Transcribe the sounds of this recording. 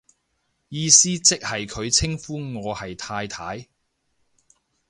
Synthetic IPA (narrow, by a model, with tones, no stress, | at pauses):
jiː˧siː˥t͡sɪ˥k̚hɐ˨jkʰɵ˨˧ɥt͡sʰɪ˥ŋfuː˥ŋɔː˨˧hɐ˨jt̪ʰaː˧jt̪ʰaː˨˥j